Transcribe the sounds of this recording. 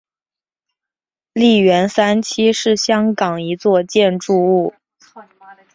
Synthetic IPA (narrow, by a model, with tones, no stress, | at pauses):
li˥˩ɥɛ˧˥nsa˥nt͡ɕʰi˥ʂɻ̩˥˩ɕjɑ˥ŋkɑ˨˩ŋi˧˥t͡swɔ˥˧t͡ɕjɛ˥˧nʈ͡ʂu˥˧u˥˩